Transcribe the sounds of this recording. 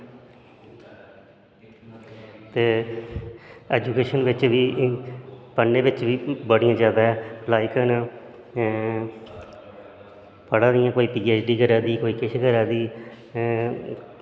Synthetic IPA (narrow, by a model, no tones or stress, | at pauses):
t̪eː | ɛːd͡ʒuːkeːʃənʋɪt͡ʃʋiː | pənːẽːʋɪt͡ʃʋiːbəɽĩjãːd͡ʒjaːd̪aːɛːlaːikənː | pəɽãːd̪ɪjãːkoːiːpiːeːt͡ʃɖiːkəɾãːd̪iːkoːiːkɪʃʰkəɾaːd̪iː